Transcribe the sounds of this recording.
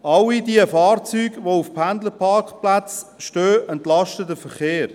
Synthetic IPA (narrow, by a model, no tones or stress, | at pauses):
ɑlidiəfɑːɾt͡syːɡʋoufpʰændləpʰɑɾkχplat͡sʃtøːɛntlɑʃtədəfəχeːɾ